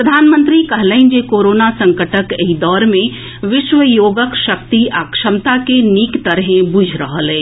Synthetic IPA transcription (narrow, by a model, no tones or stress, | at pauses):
pɾəd̪ʱaːnmə̃nt̪ɾikɐɦlə̃ɪnd͡ʒekoːɾoːnasə̃ŋkəʈʰəkeɦid̪ɔːɾmẽ | ʋɪʃʋəjoːɡəkʃəkt̪iʔaːkʃəmt̪akeniːkt̪əɾɦẽbud͡ʒʱɾəɦəlɦɛ̃ː